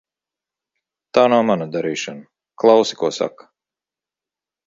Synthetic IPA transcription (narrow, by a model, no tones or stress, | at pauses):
t̪aːnawmanad̪aɾiːʃana | klˠɑwsi̥kuɔsa̰k